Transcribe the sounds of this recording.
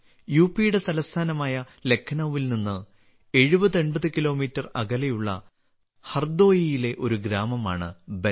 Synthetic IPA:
juːpːijuɽe̞t̪ɐlɐst̪ʰaːnɐmaːjɐ | le̞kʰːɐnɐʋːilninːɨ | e̞ɻubɐðenbɐðɨkilo̞ːmiːtːɐrɐ̰ɣɐlɐjuɭːɐ̰ | hɐrd̪o̞ːjijile̞ʔo̞ɾuɡɾaːmɐmaːɳɨ̰be

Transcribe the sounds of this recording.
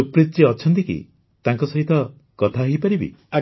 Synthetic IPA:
upɾit͡ʃiɔt͡ʃʰɔnt̪ikḭ | t̪aŋkɔsɔɦit̪ɔ | kɔt̪ʰaɦejpaɾibḭa

